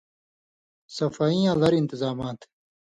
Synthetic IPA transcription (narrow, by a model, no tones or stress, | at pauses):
sɐfaːiãlɐɾint̪izaːmaːt̪